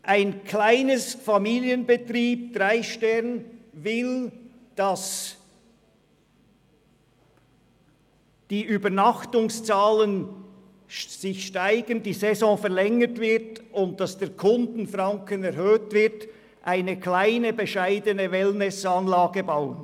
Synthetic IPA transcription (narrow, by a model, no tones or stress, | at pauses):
ʔaɪnkʰlaɪnəsfɑmiːljənbətriːb̚d̥raɪʃtɛʁnvɪl | d̥ɑs | d̥iːʔyːbənɑχtʊŋst͡saːlən | sɪçʃtaɪɡ̥ənd̥iːzɛzɔ̃ːfɛɐʁlɛŋətvɪʁtʊnt̚d̥ɑsd̥eːɐkʰʊndn̩frɑŋkənɛɾhøːtvɪɐt | ʔaɪnəklaɪnəbəʃaɪdənəvɛlmɛsəɑnlaːɡəbaʊən